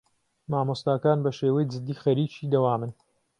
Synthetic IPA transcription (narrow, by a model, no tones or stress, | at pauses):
maːmost̪aːkaːnbɐʃeːwɐjd͡ʒɨd̪ːiːxɐɾiːt͡ʃiːd̪ɐwaːmɨn